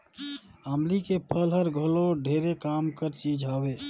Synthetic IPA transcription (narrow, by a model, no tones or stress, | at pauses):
amlikepʰəlɦəɾɡʱəloɖʱeɾekamkəɾt͡ʃid͡ʒɦabe